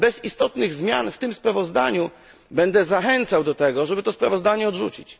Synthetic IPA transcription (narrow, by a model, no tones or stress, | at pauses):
bɛzist̪ɔt̪nɘɣzmʲjanft̪ɘmspɾavɔzd̪aɲu | bɛnd̪ɛzaxɛnt̪sawd̪ɔt̪ɛɡɔʐɛbɘt̪ɔspɾavɔzd̪aɲɛɔd̪ʐut͡ɕit͡ɕ